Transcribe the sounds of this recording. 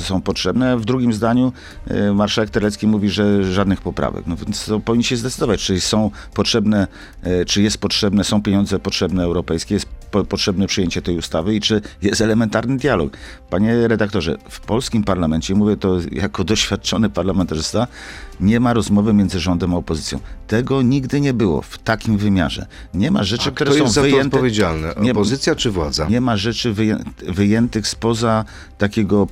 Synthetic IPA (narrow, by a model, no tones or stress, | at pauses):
sɔ̃w̃pɔtʂɛbnɛavd̪ɾuɡʲimzd̪aɲu | maɾʂawɛk̚t̪ɛɾlɛt̪skʲimuvʲiʐɛʐad̪nɘxpɔpɾa̰vɛ̰knɔvʲjɛnt̪st̪ɔpɔvʲiɲːiɕɛzd̪ɛt̪sɘd̪ɔvat͡ɕt͡ʂɘsɔ̃w̃pɔtʂɛbnɛ | t͡ʂɘjɛst̪̚pɔtʂɛbnɛsɔ̃w̃pʲjeɲɔnd̪zɛpɔtʂɛbnɛːwɾɔpɛjskʲɛjɛst̪pɔtʂɛbnɛpʂɨjeɲt͡ɕɛt̪ɛjust̪avɘit͡ʂɘjɛst̪ɛlɛmɛnt̪aɾnɘd̪ʲjalɔ̰k | paɲɛɾɛd̪ak̚t̪ɔʐɛ̰fpɔlskʲimpaɾlamɛnt͡ɕɛmuvʲjɛt̪ɔjakɔd̪ɔɕfʲjat̪̚t͡ʂɔnɘpaɾlamɛnt̪aʐɘst̪aɲɛmaɾɔzmɔvɘmʲjɛnd̪zɘʐɔnd̪ɛmaɔpɔzɘt̪sʲjɔ̰̃w̃t̪ɛɡɔɲiɡd̪ɘɲɛbɘwɔ̰ft̪akʲimvɘmʲja̰ʐɛ̰ | ɲɛma̰ʐɛt͡ʂɨkt̪uɾɛsjɔ̃w̪̃zvjɔɛntp̪ɛvʲjed͡ʑalnɛɲɛpɔzɘt̪sʲjat͡ʂɘvwa̰d̪za̰ɲɛmaʐɛt͡ʂɘvɛ̰vɘjɛnt̪ɘxspɔza | t̪akʲɛɡɔ